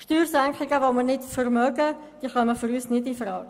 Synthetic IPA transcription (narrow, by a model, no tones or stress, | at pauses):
ʃtyːrsæŋkχɪɡəʋomərnɪtfərmœɡə | d̥iəχœməfyɾyːsnɪdifrɑːɡ̥